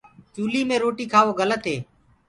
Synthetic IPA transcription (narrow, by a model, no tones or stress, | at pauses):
t͡ʃuːliːmẽːɾoːʈiːkʰaːʋoːɡələt̪ɦeː